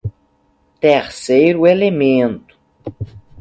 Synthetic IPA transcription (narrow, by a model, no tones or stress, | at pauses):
t̪eɾsejɾʊelemẽnt̪ʊ̥